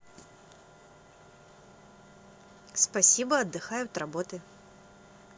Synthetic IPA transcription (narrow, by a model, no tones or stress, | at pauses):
spasʲibɐɐd̪ːɨxajʊt̪rabɔt̪ɨ